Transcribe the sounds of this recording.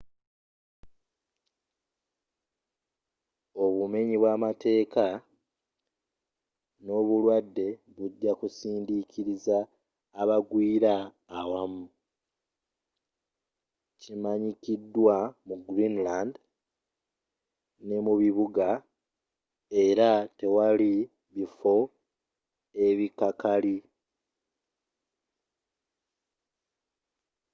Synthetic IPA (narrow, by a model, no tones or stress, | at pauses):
o̞βume̞ɲiβwamate̞ːka | no̞ːβulwadːe̞ | βuɟːakusiːndikʰiɾizaː | βaɡwiːɾaː | wamu | cimaɲikidːwamuɡɾinland | ne̞muβiβuɡa | e̞ɾate̞wali | βifo̞ | e̞βikakali